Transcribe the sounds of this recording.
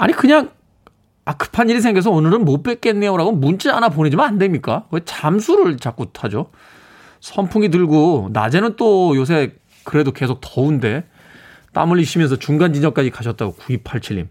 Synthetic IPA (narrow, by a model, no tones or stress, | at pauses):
aɲikɯɲaŋ | akɯ̥pʰaɲiɾisʰeŋɡjes̬ʰʌonɯɾɯnmop͈e̞k͈enːeoɾaɡomunt͡ɕ͈eanap̬one̞d͡ʑimanande̞mɲik͈awet͡ɕamsʰuɾɯɭt͡ɕak͈utʰad͡ʑo | sʰʌmpʰuŋit̬ɯɭɡona̰d͡ʑe̞nɯnt͈ojos̬ʰe̞ | kɯɾe̞doke̞sʰok̚tʌunde̞ | t͈a̰mɯɭːiɕʰimjʌnsʰʌt͡ɕuŋɡand͡ʑid͡ʑʌŋk͈ad͡ʑikaɕʰʌt̚t͈aɡokuipʰaɭt͡ɕʰiʎːḭm